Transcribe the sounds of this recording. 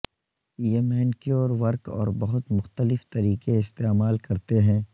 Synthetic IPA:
jemɛɦnkjoːɾʋɐɾkɔ̰ːɾbɐɦʊt̪mʊxt̪əlɪft̪ɐɾiːkeɪst̪eːmaːlkɐɾt̪eɦɛ̃ː

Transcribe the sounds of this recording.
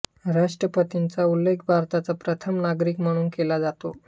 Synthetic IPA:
ɾaʂʈɾəpət̪int͡saulːekʰbʱaɾt̪at͡sapɾət̪ʰəmnaɡɾiːkm̤əɽ̃uːnkelad͡zat̪o

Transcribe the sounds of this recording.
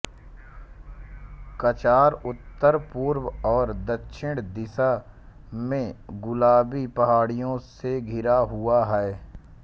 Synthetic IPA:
kɐt͡ʃaːɾʊt̪ːəɾpuːɾwɔːɾd̪əkʃʰɪɽd̪ɪsa | mẽɡʊlaːbipɐɦaːɽijõseɡʱɪɾaɦʊaɦɛɛ

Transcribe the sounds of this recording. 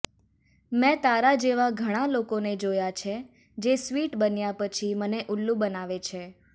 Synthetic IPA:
mɛ̃t̪aɾad͡ʒeʋaɡʱəɽ̃alokoned͡ʒojat͡ʃʰe | d͡ʒesʋiʈbənjapət͡ʃʰiməneʔulːũbənaʋet͡ʃʰe

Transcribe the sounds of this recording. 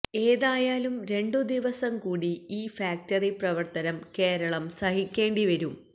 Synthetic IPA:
e̞ːðaːjaːlumɾe̞ɳɖud̪iʋɐsɐmkuːɽiiːfaːk̚tɐriprɐʋɐrt̪ɐnɐmke̞ːɾɐɭɐmsɐhikʲːe̞ːɳɖiʋɐɾum

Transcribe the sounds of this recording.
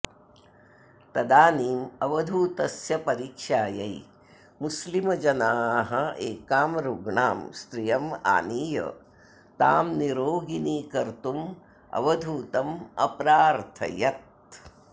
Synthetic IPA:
t̪ɐd̪aːniːmɐʋɐd̪ʱuːt̪ɐsjɐpɐɾiːkʂaːjɐj | muslimɐd͡ʒɐnaːɦɐeːkaːmɾuɡɳaːmst̪ɾijɐma̰ːniːjɐ̰ | t̪aːmniɾoːɡiniːkɐɾt̪um | ɐ̰ʋɐd̪ʱuːt̪ɐmɐ̰pɾaːɾt̪ʰɐ̰jɐt̪̚

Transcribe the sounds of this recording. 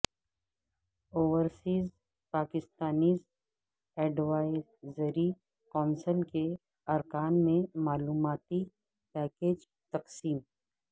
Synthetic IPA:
oːʋəɾsiːz | paːkɪst̪aːniːz | ɛːɖʋaːɪzzəɾi | kɔːnsəlke | ɐɾkaːnmẽmaːluːmaːt̪i | pɛːkeːd͡ʒ | t̪ɐqsiːm

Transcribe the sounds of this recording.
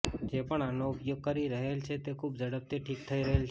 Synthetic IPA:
d͡ʒepəɳanoʊpjoɡ̚kəɾiɾəɦelt͡ʃʰet̪ekʰubd͡ʒəɽəp̚t̪eʈʰik̚t̪ʰəiɾəɦelt͡ʃʰ

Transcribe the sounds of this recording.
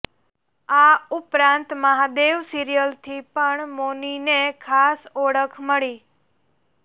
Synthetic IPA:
aʊpɾãnt̪məɦad̪eʋsiɾijəlt̪ʰipəɳmoninekʰasoɽəkʰməɭi

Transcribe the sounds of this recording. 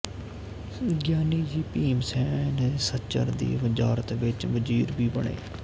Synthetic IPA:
ɡjaːniːd͡ʒiːpiːmsɛːnesət͡ʃə̰ɾd̪ḭːʋɪzaːɾət̪ʋɪt͡ʃʋəd͡ʒiːɾbʱiːbəɳḛː

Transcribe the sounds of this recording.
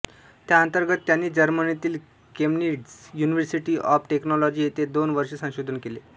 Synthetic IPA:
t̪jaənt̪əɾɡət̪ːjanːiːd͡ʑəɾmənit̪iːl | kemniɖzjuniʋəɾsiʈiːʔɔ̰fʈeknɔlɔd͡ʑiːet̪ed̪onʋəɾʂesə̃w̃ɕod̪ʱənkele

